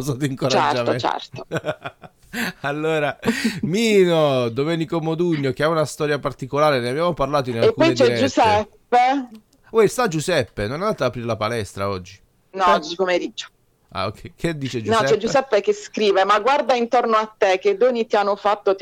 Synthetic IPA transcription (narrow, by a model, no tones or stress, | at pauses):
sat̪iŋkoɾat͡ʃɛ̰d͡ʒamet͡ʃɛ̰rt̪o̥ | alːoːɾamiːnod̪omɛːnikomod̪uɲːok̟eaunast̪ɔːɾjapart̪ikolaːɾeneabjaːmoparlaːt̪oinalekuːɔjt͡ʃɛd͡ʒːusɛpːe | wɛst̪ad͡ʒusɛpːenonand̪at̪aːpɾiɾelapalɛst̪ɾa̰ɔd͡ʒːi | nɔd͡ʒpomeɾid͡ʒo̥ | a̰okʰːɛjked̪ːiːt͡ʃed͡ʒunɔɛt͡ʃɛd͡ʒːusɛpːekeskɾiːvemaɡward̪aint̪ornoat̪ːeked̪ːoːnit̪ianːofat̪ːo